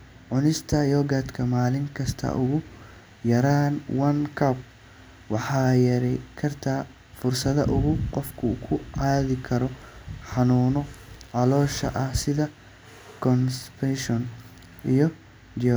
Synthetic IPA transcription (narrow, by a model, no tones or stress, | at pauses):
ʕʊnɪst̪ʰɐjɔɡat̪kʰɐmaːlɪŋkʰɐst̪ʰɐ̰ʔʊɣʊ | jɐɾaːnwɐnkʰɐp̚ | wɑħɑːjɐɾɛkʰɐrt̪ʰaː | fʊrsɐðɐ̰ʔʊɣʊqɔfkʰʊkʰʊʕaːðɪkʰɐɾɔħɑnuːnɔʕɑlɔːʃɐ̰ʔɐhsɪðɐ | kʰɔnspʰɛʃɔn | ʔijɔ | d͡ʒɔ